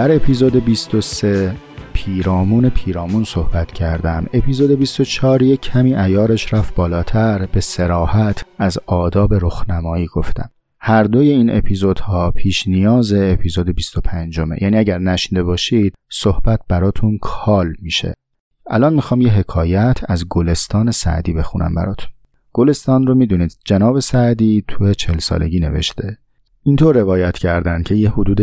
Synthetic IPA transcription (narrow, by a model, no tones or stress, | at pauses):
d̪̥æɾe̞pʰiːzod̪ebist̪o̞se̞ | pʰiːɾɒːmuːne̞pʰiːɾɒːmuːnso̞hbæt̪ʰcʰæɾd̪æme̞pʰiːzod̪ebist̪ot͡ʃʰɒːɾjecʰæmiːʔæjɒːɾe̞ʃɾæfbɒːlɒːt̪ʰæɾbe̞se̞ɾɒːhæt̪ʰæzɒːd̪ɒːbe̞ɾoxnæmɒːiːɡ̥o̞ft̪æ̰m | hæɾd̪o̞je̞iːne̞̰pʰiːzod̪̥hɒːpʰiːʃnijɒːzeːpʰiːzoːd̪e̞bist̪o̞pʰænd͡ʒo̞me̞̰jæːniːæɟæɾnæʃind̪e̞bɒːʃid̪̥̚sohb̥æt̪̚b̥æɾɒːt̪ʰunkʰɒːlmiːʃe̞̰ | ʔælɒːnmixɒːmjeɦe̞kʰɒːjæt̪ʰæzɡole̞st̪ɒːne̞sæ̰ʔd̪iːbe̞xunʔæ̰mbæ̰ɾɒ̰ːt̪ʰu̥n | ɡ̥ole̞st̪ɒːnromiːd̪uniːd̪̥d͡ʒenɒːbe̞sæʔd̪iːt̪ʰujet͡ʃʰeelsɒ̰ːle̞̰ɟiːne̞̰vḛʃt̪e̞ | int̪ʰoɾːe̞vɒːjæt̪ʰcʰæɾd̪æncʰe̞jehod̪uːd̪e